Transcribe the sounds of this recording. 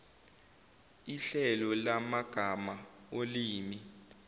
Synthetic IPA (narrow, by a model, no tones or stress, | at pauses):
iɬɛlɔlamaɡ̥ʱamaoliːmi